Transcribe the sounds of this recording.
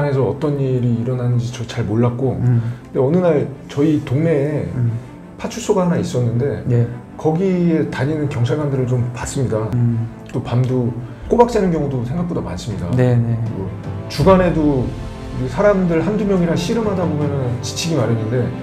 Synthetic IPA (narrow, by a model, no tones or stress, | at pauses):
ane̞s̬ʰʌʌ̰t͈ʌniɾiːɾʌnanɯnd͡ʑit͡ɕʌt͡ɕaɭmoɭːak͈okɯnde̞ʌnɯnaɭt͡ɕʌitoŋne̞ː | pʰat͡ɕʰuɭs͈oɡahanais͈ʌnːɯnde̞ | kʌɡie̞taɲinɯnkjʌŋt͡ɕʰaɭɡandɯɾɯɭt͡ɕompas͈ɯmɲida | t͈opamdu | k͈obak̚t͡ɕ͈anɯnkjʌŋudosʰeŋɡak̚p͈odama̰ns͈ɯmɲida̰nʌ | t͡ɕuɡane̞do | ɯsʰaɾamdɯɭhandumjʌŋiɾaɕʰiɾɯmɦadabomjʌnɯnt͡ɕi̥t͡ɕʰiɡimaɾjʌnːɯnde̞